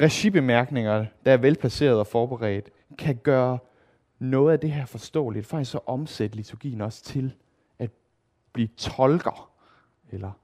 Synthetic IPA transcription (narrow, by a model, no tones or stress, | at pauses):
ʁɛɕib̥e̝mæɐɡ̥ne̝ŋɐd̥ɑ̈æɐʋelpʰlæse̝̰ːɐð̞ˠɒ̽fɒːb̥eʁɛ̰ːd̥ | kʰæɡ̥ɶːɐ | nɔ̽ːð̞̩ˠæd̥e̝ɦæɐfɒ̽sd̥ɔ̰̽ːlid̥fɑ̈ɡ̥isɒʔɒ̽msed̥əlit͡sʰuɐɡ̥ḭːn̩ɒ̽st͡sʰe̝l | ʔæd̥̚ | b̥liːt͡sʰɒ̽lɡ̥ɐ | elɐ